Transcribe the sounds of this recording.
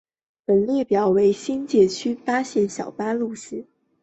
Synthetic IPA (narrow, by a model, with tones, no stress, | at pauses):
pə˨˩nljɛ˥˩pjɑ˨˩ʊwe˧˥ɪɕi˥nt͡ɕjɛ˧˥t͡ɕʰy˥fa˥ɕjɛ˥˩nɕjɑ˨˩ʊpa˥lu˥˩ʂ̩˥